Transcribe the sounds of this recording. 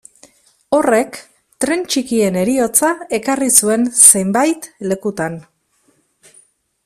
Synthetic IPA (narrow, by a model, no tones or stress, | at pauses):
o̞re̞k | t̪ɾe̞nt͡ʃikie̞ne̞ɾio̞t͡sae̞karisue̞nse̞mbajt̪le̞kut̪an